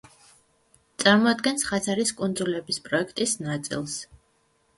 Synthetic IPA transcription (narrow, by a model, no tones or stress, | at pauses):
t̪sʼaɾmɔad̪̚ɡɛnsχat̪sʰaɾiskʼund̪zulɛbispʼɾɔɛkʰt̪ʼisnat̪sʼḭlˠs